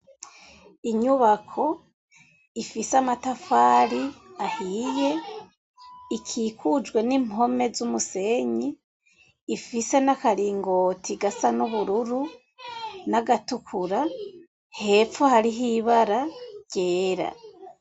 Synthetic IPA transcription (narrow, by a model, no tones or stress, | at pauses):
iɲuβakʰo̞ | ifiseamatafaːɾiahiːje̞ | ikʰiːkud͡ʒɡwe̞nimɦo̞me̞zumuse̞ɲiː | fise̞nakaɾiːŋɡoːtʰiɡasanuβuɾuɾu | naɡatukʰuɾa | he̞fohaɾiɦiβaɾaɟ̥eːɾa̰